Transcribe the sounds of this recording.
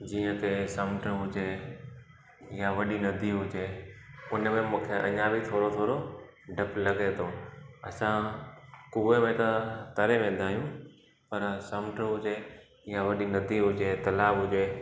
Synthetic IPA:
d͡ʑiːə̃t̪esɐmʈəɦʊd͡ʑe | jaʋɐɗinɐd̪ʱiɦʊd͡ʑeʊnəmẽmũːkʰeʔɐ̰ɲãbʱit̪ʰoːɾot̪ʰoːɾo | ɖʱɐplɐɡet̪ʰoːɐ̰sã | kuʋemẽt̪ɐt̪ɐɾẽʋẽːd̪ʱaːɦijũ | pɐɾsɐmʈəɦʊd͡ʑe | jaʋɐɗinɐd̪ʱiɦʊd͡ʑet̪ɐlaːbɦʊd͡ʑeː

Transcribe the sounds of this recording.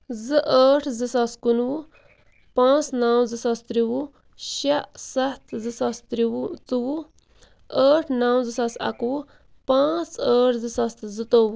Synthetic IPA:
zɨʔəːʈʰzɨsaskunwu | pãːt͡snaːwzɨsast̪ɾiwu | ʃɐʔsɐt̪ʰzɨsast̪ɾiwt͡sɨwu | əːʈʰnaːwzɨsasɐ̰kwu | pãːt͡səːʈʰzɨsɐst̪zɨt̪oːwu

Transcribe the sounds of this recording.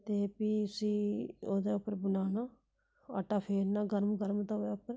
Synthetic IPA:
t̪eːpiːəsĩːoːd̪eːʊpːəɾbənaːnaː | ə̰ʈːaːpʰeːɾnaːɡəɾmɡəɾmt̪ad̪eːʊpːəɾ

